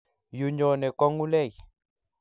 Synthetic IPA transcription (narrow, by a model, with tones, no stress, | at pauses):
ju˨ɲɔ˨nɛ˨kɔ˦ŋu˦lɛ˦˨ji˨